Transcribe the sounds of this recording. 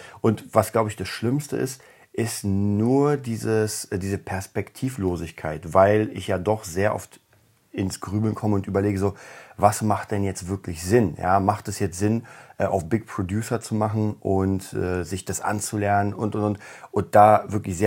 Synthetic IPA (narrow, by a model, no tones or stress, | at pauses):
ʔʊntvasɡ̥laʊbəɪçd̥asʃlɪmstə̰ɪ̰st | ʔɪstnuːɐdiːzəsdiːzəpʰɛɐspɛktʰiːfloːzɪçkʰaɪtvaɪlɪ̰çjaːdɔχz̥eːɐʔɔ̰ft | ɪnsɡ̥ʁyːbl̩nkʰɔməʊntʔyːbɐleːɡəzoːvasmaχt̚d̥ɛnjɛt͡stv̥ɪɐklɪçz̥ɪnja̰ːmaχtɛsjɛt͡stz̥ɪnʔɛːʔa̰ʊfb̥ɪkpʁ̥odjuːsɐt͡sumaχn̩ʔʊntʔɛːzɪçd̥asʔa̰nt͡sulɛɐnənʔʊntʊntʊntʔʊnt̚d̥aːvɪɐklɪçz̥eː